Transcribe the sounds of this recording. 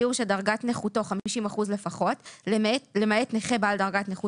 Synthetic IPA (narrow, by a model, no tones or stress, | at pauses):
uʃedaʁɡatneχuto̞χamiʃimaχuzle̞faχo̞telemaetneχebaldaʁɡatneχu